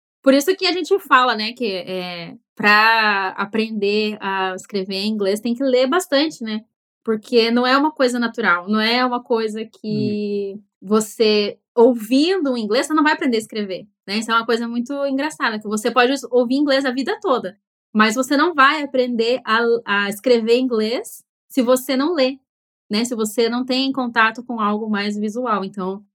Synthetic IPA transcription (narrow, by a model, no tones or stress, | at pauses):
poɾisʊkɪaʒẽnt͡ʃɪfalɐnɛkɪɛpɾɐa̰pɾẽnd̪eaɪskɾevẽĩɡlest̪ẽj̃k̬ɪlebast̪ɐ̃nt͡ʃɪnɛ | poɾkʰenɐ̃w̃ɛũmɐkojzɐnat̪uɾawnɐ̃w̃ɛũmɐkojzɐkʰɪ | vose | owvĩd̪ʊũĩɡlesosenɐ̃w̃vajapɾẽndeɐɪskɾevenɛisɛũmɐkojzɐmũj̃t̪ʊĩŋɡɾasad̪ɐkɪvosepɔd͡ʒɪowviĩɡlezɐvid̪ɐt̪od̪ɐ | mɐzvosenɐ̃w̃vajapɾẽnd̪eʔaɐɪskɾeveĩŋɡlesː | ɪvosenɐ̃w̃le | nɛsɪvosenɐ̃w̃t̪̬ẽj̃ẽkõnt̪at̪ʊkõawɡʊmajzvizuawẽnt̪ɐ̃w̃